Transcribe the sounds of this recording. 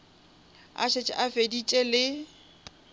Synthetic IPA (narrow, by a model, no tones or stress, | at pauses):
a̰ʃet͡ʃʼɪ̰ʔafedit͡ʃʼɛlɪ